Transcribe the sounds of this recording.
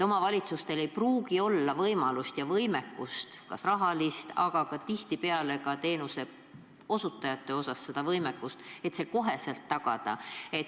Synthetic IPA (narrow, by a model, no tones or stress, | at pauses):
o̞mɑvɑlʲit̪sust̪e̞le̞jpruːɡ̥io̞lːɑvɤjmɑlust̪jɑvɤjme̞kˑːust̪kɑ̰srɑɦɑlist̪ʰɑ̰ɡ̥ɑkɑt̪iht̪ipe̞ɑle̞kɑt̪eːnuse̞ | o̞sut̪ːˑɑjɑt̪ːe̞o̞sɑsːe̞d̪̥ɑvɤjmekːˑust̪e̞t̪se̞ko̞ɦe̞se̞lt̪ːɑɡ̥ɑ̰d̪̥ɑ̰e̞t̪